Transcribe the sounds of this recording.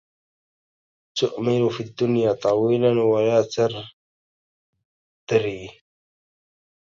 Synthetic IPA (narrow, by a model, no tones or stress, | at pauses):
t̪ʊʔmɪnfiːd̪ːʊnjaːt̪ˤɑwiːlanwalaːt̪aɾ | d̪̥ɾiː